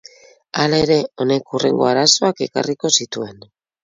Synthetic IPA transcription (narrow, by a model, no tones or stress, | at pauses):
alae̞ɾe̞o̞ne̞kure̞̰ŋɡo̞aɾaso̞ake̞ka̰riko̞sit̪ue̞n